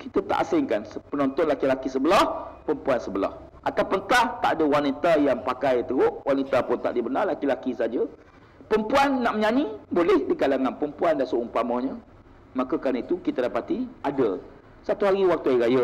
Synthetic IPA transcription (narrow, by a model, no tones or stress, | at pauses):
kit̪ət̪a̰ʔa̰sɪŋkansəpənɔnt̪ɔnlakilakisəbəlɔhpəmpuansəbəlɔ̰h | ʔat̪awpənt̪aht̪aʔadəwanit̪ajaŋpakajt̪əɣʊʔwanit̪apʊnt̪a̰ʔdibənarlakilakisad͡ʒə | pəmpuanːaʔməɲanibolɛhdikalaŋanpəmpuandansəumpamaɲə̃ | makakanait̪ukit̪adapat̪iʔadə | sat̪uɦaɾiwak̚t̪uajɾajə